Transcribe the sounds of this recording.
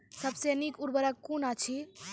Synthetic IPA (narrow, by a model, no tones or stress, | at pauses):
səbsenikuɾbəɾəkkːunat͡ʃʰi